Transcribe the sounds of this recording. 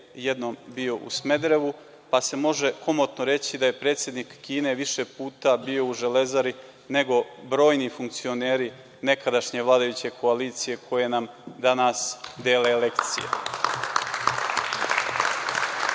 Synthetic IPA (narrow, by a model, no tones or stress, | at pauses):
jed̪no̞ːmbio̞ʔṵsme̞d̪ɾeʋu | pase̞mo̞ʒe̞ko̞mot̪noɾe̞t͡ɕid̪aje̞pɾeːt̪sjed̪nikːiːne̞ʋiʃepuːt̪abiːo̞uʒe̞le̞zaɾi | ne̞ɡo̞bɾo̞ːjnifuŋkt̪sio̞ne̞ːɾi | ne̞kad̪aʃɲe̞ʋlˠaːd̪ajut͡ɕe̞kʰo̞aliːt̪sije̞kʰo̞je̞nam | d̪anasd̪eːlele̞kt̪sḭjḛ